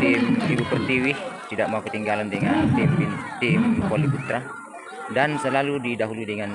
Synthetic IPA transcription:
t̪imibupərt̪iwiht̪idak̚maukət̪iŋɡalandəŋant̪impint̪imkɔlibut̪ɾa | dansəlaludidaɦuluidəŋan

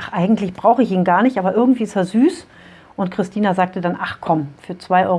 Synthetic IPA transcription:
ʔaχʔaɪɡŋ̩tlɪçb̥ʁaʊxəɪçiːnɡaːɐnɪçtʔaːbɐʔɪɐɡŋ̩tv̥iːɪsteːɐzyːs | ʔʊntkʁ̥ɪstʰiːnazaːk̚tədanʔaχkʰɔmfyːɐt͡sv̥aɪʔɔ̰ʏ

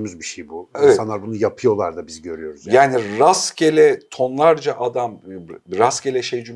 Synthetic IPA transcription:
myzbiʃejbuevsɛanaɾbunujapʰɯjo̞lˠaɾd̪abizɟø̞ɾyjo̞ɾuzjaːniɾascʰelʲɛt̪ʰo̞nlˠaɾd͡ʒaʔad̪amɾascelʲɛʃejd͡ʒum

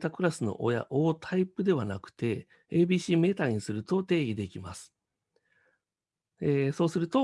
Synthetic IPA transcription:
t̪akɯ̟ɾasɨno̞̰ʔo̰ja̰ʔoːt̪ʰaipɯ̟d̪e̞β̞anakɯ̟̥t̪e̞ | eːbʲiːɕiːme̞t̪aɲ̟isɨɾɯ̟t̪o̞t̪e̞ːɡʲid̪e̞kʲima̰sɨ̥ | eso̞ːsɨɾɯ̟t̪o̞

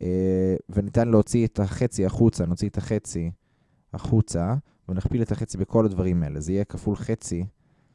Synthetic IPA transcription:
evenit̪anleo̞t͡siet̪ʰaχe̞t͡siaχut͡sanot͡siet̪aχe̞t͡si | aχut͡sa | venaχpilet̪aχe̞t͡sibekʰo̞lad̪vaʁimaelezeijekafulχe̞t͡si

